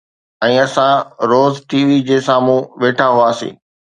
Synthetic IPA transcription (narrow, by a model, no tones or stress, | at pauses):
ɛ̃ːɐsãɾoːzʈʰiːʋid͡ʑeːsaːmũʋeːʈʰaɦuaːsḭː